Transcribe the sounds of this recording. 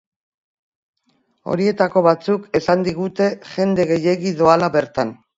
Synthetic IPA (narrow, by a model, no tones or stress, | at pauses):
o̞̰ɾie̞t̪ako̞βat͡suke̞sand̪iɣ̞ut̪e̞ʝe̞nd̪e̞ɣe̞je̞ɣiðoalaβe̞ɾt̪an